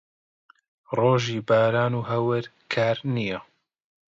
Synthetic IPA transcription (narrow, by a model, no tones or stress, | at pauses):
roːʒiːbaːɾaːnuːɦɐwɨɾ | kʰaːɾnijɐ